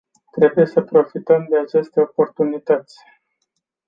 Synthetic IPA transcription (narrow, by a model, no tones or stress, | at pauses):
t̪ɾe̞buje̞səpɾo̞fit̪əmd̪e̞at͡ʃe̞st̪e̞o̞po̞rt̪unit̪ət̪sʲ